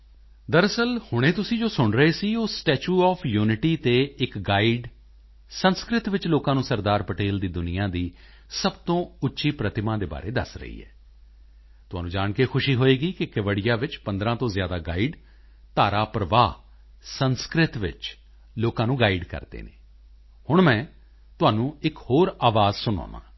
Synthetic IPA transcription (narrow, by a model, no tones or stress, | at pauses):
d̪əɾəsəlhʊɽ̃ẽːt̪ʊsĩːd͡ʒoːsʊɳɾəeːsiːoːsʈɛːt͡ʃuːɔːpʰjuːnɪʈiːt̪eːɪkɡaːiɖ | sənskɾɪt̪ʋɪt͡ʃloːkãːnũːsəɾd̪aːɾpəʈeːld̪iːd̪ʊnɪjãːd̪iː | səbt̪õːʊtːʃiːpɾət̪ɪmãːd̪eːba̰ːɾḛːd̪ə̰sɾə̰ḭːɛ̰ː | t̪ʊɦaːnũːd͡ʒaːɳkekʰʊʃiːɦoːeːɡiːkɪkɪʋəɽɪjaːʋɪt͡ʃpə̃nd̪ɾãːt̪õːzjaːd̪aːɡaːiːɖ | t̪aːɾaːpɾəʋaː | sənskɾɪt̪ʋɪ̰t͡ʃ | loːkãːnũːɡaːiɖkə̰ɾd̪ḛːnḛː | hʊɳmɛ̃ː | t̪ʊaːnũːɪkhoːɾaːʋaːzsʊna̰ːʋã̰ː